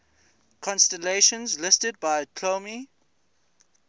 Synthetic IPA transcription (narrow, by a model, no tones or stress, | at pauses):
kʰɔ̃nstəleʃə̃nzlɪstəd̚baɪkʰlomi